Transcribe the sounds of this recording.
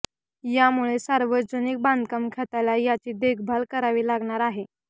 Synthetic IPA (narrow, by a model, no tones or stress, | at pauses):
jamuɭesaɾʋəd͡zənik̚band̪kamkʰat̪alajat͡ɕiːd̪eɡbʱalkəɾaʋiːlaɡɳ̃aɾaɦe